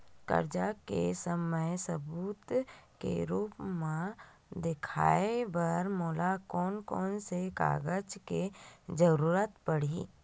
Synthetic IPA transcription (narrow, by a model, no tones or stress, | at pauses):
kə̰ɾd͡ʒakḛsəməjsəbuːt̪kḛɾuːpmẽ | d̪ɪkʰa̰ːebəɾmɔːlakɔːnkɔːnseka̰ːɡəd͡ʒked͡ʒəɾuːɾət̪pəɽ̤i